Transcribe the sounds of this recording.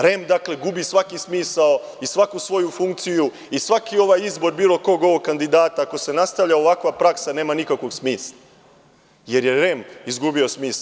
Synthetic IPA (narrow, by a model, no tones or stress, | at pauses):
ɾe̞md̪akle̞ɡubisʋakismiːsao | isʋakusʋo̞jufuŋkt̪siju | isʋakio̞ʋaːjizbo̞ɾbiːlˠo̞ko̞ɡo̞ʋoɡ̚kand̪id̪aːt̪aako̞se̞nast̪aʋʎaoʋakʋapɾaksane̞ːmanikakʋo̞ɡsmiːsla | je̞ɾjeɾe̞mizɡubio̞smiːs